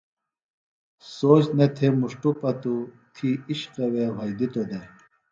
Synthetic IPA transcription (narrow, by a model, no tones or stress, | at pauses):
soːt͡ɕnet̪ʰemuʂʈupɐt̪u | t̪ʰiiɕqɐwewɐjd̪it̪od̪e